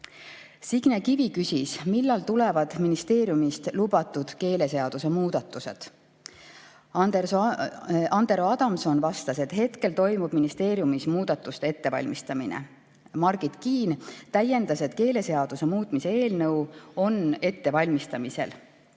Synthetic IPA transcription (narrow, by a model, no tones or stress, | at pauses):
siɡ̥nekivikysʲismilːɑlt̪ule̞vɑd̪̥minist̪e̞ːɾijumist̪lubɑt̪ːˑud̪̥ke̞ːle̞se̞ɑd̪̥use̞muːd̪̥ɑt̪ːˑuse̞̰d̪̥ | d̪e | ɑnd̪e̞ɾoɑd̪̥ɑmso̞nvɑst̪ɑse̞t̪he̞t̪ke̞lt̪o̞jmub̥minist̪e̞ːɾijumismuːd̪̥ɑt̪ːˑust̪ee̞t̪ːe̞vɑ̰lʲmist̪ɑminḛ | mɑrɡ̥it̪kiːnt̪æje̞nd̪̥ɑse̞t̪ke̞ːle̞se̞ɑd̪̥use̞muːt̪ˑmise̞e̞ːlnɤwo̞ne̞t̪ːe̞vɑlʲmist̪ɑmise̞̰l